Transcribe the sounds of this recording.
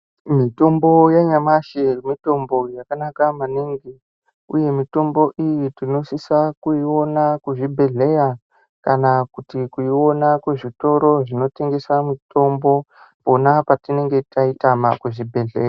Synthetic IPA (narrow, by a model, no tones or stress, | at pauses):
mito̞mbo̞jaɲamaʃemito̞mbo̞jakanakamaniŋɡi | ṵje̞mito̞mbo̞ʔijitino̞sisakuiwo̞nakuʐibʱe̞ɮe̞ɾa | kanakutikuiwo̞nakweʐito̞ɾo̞ʐino̞te̞ŋɡe̞samito̞mbo̞ | po̞napatine̞ŋɡe̞taitamakuʐibʱe̞ɮeːra